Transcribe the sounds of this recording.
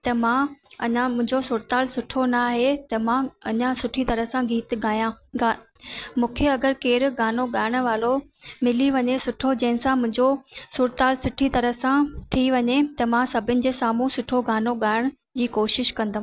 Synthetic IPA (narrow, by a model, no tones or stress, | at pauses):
t̪ɐmãɐɲãmʊ̃ɪ̃ɲd͡ʑosʊːɾt̪aːlsʊʈʰonaɦet̪ɐmãɐɲãsʊʈʰit̪ɐɾəɦsãɡʱiːt̪ɡaːjãːa | mũːkʰeɐɡəɾkeːɾɡaːnoɡaːɪɽ̃ʋaːlo | mɪliʋɐɲesʊʈʰod͡ʑɐ̃ɦɪ̃sãmʊ̃ɦɪ̃ɲd͡ʑosʊɾt̪aːlsʊʈʰit̪ɐɾəɦsãt̪ʰiʋɐɲet̪ɐmãsɐbʱɪnɪ̆d͡ʑeːsaːmũsʊʈʰoɡaːnoɡaːɪɽ̃ | d͡ʑiːkoːʃɪʃkɐ̃nd̪aɦ